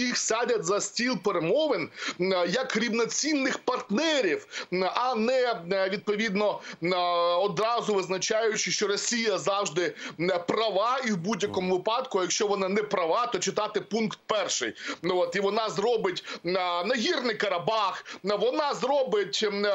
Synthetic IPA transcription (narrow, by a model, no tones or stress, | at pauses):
ixsʲadʲɐtʲzɐsʲtʲilˠpeɾemɔʋenjɐkɾʲiwnɔt͡sʲinːɪxpɐrt̪nɛɾʲiwɐnɛʋʲid̪̚pɔʋʲid̪nɔ | ɔd̪ɾɑzʊʋɪznɐt͡ʃɑjʊt͡ʃɪʃt͡ʃɔɾɔsʲijɐzɑwʒd̪ɪprɐʋɑiwbudʲjɐkɔmʊʋɪpɑd̪kʊjɐkʃt͡ʃɔʋɔnɑnɛpɾɐʋɑt̪ɔt͡ʃɪt̪ɑt̪ɪpunkt̪̚pɛrʃɪ̰jɔt̪iʋɔnɑzrɔbɪt̪ʲnɐɦʲirnɪjkɐɾɐbɑxʋɔnɑzɾɔbɪtʲ